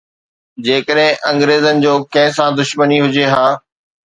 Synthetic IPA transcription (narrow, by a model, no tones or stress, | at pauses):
d͡ʑeːkəɗɦɪ̃ʔɐ̃ŋɡɾeːzənɪ̆d͡ʑoːkɐ̃ɦɪ̃sãd̪ʊʃməniɦʊd͡ʑeɦaː